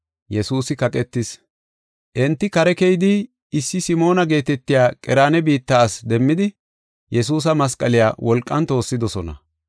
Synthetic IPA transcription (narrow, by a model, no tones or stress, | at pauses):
jɛsuːsɪkɐkʼɛt̪ːɪs | ʔɛnt̪ːɪkɐɾɛkɛjd̪ɪ | ɪsːɪsɪmo̞ːnɐɡe̞ːt̪ɛt̪ːɪjaːkʼɛɾaːnɛbiːt̪ːaːsd̪ɛmːɪd̪ɪ | jɛs̬uːs̬ɐmɐskʼɐlɪjaːwɔlkʼːɐnt̪o̞ːsːɪd̪ɔsɔnɐ̰